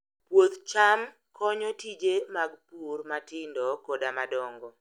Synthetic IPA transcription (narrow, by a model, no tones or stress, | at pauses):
pwot̪t͡ʃam | kʰɔɲɔtid͡ʒemaɡpurmatɪndɔkɔdamadɔŋɡɔ